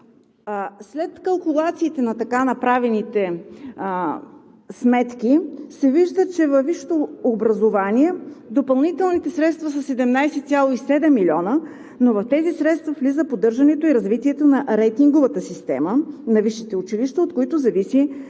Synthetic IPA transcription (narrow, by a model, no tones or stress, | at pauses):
slɛt̪kɐlˠkʊlˠat̪siːt̪ɛnɐt̪ɐkanɐpɾavɛnit̪ɛ | smɛt̪kisɛviʒd̪ət͡ʃɛvɐfviʃt̪oːbɾɐzovaniɛd̪opɐlˠnit̪ɛlˠnit̪ɛsɾɛt̪st̪vɐsɐsɛd̪ɛmnajsɛt̪sʲjalˠoisɛd̪ɛmːilʲɔnə | novɐft̪ɛzisɾɛt̪st̪vɐflizəpod̪ɤɾʒɐnɛt̪oiɾɐzvit̪iɛt̪onɐʔɾɛjt̪iŋɡovət̪əsist̪ɛ̰mənɐviʃit̪ɛʊt͡ʃiliʃt̪əot̪koit̪ozɐvisi